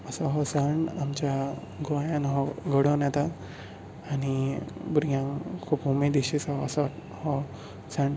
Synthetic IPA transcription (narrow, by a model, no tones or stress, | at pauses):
əsɔɦɔsəɳamt͡ɕja | ɡɔjãnɦɔɡəɽɔnjat̪aː | ñibuɾɡʱjãŋkʰupɦumed̪eɕisɔːsɔ | hɔ | səɳ